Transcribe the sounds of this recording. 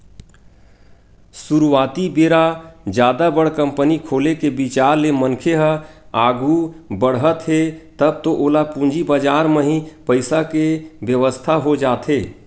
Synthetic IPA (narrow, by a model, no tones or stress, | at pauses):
suɾuwaːt̪ibeɾad͡ʒjaːd̪abəɽ̤kə̃mpənikʰoːlekebit͡ʃaːɾlemənkʰeɦəaːɡʱubəɽɦət̪ɦet̪əb̚t̪oʔoːlapũnd͡ʒibəd͡ʒaːɾmeɦĩpəɪsakebjəʋəst̪ʰaɦod͡ʒaːt̪ɦeː